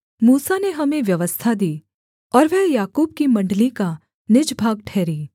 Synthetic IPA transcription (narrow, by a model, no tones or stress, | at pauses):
muːsaneɦɐmẽʋjɐʋəst̪ʰad̪iː | ɔːɾʋɛɦjaːkuːbkimɐ̃ɳɖlika | nɪd͡ʒbʱaːɡʈʰɛːɾiː